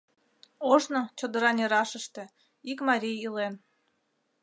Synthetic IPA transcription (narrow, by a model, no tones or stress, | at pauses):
oʒnot͡ɕod̪əɾɑnʲeɾɑʃəʃt̪ĕ | ikmɑɾʲijilen